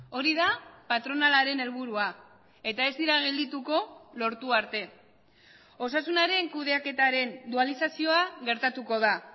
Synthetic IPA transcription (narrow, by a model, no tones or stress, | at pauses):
o̞ɾiðapat̪ɾo̞nalaɾe̞ne̞lβuɾua | e̞t̪ae̞zd̪iɾaɣ̞e̞ld̪it̪uko̞lo̞ɾt̪uaɾt̪e̞ | o̞sasunaɾe̞ŋkuð̞e̞ake̞t̪aɾe̞nd̪ualisasio̞aɣe̞ɾt̪at̪uko̞ð̞a